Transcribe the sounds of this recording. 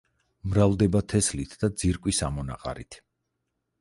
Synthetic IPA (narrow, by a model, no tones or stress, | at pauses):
mɾavd̪ɛbat̪ʰɛslit̪ʰd̪ad̪ziɾkʼwisamɔna̰qʼa̰ɾḭt̪ʰ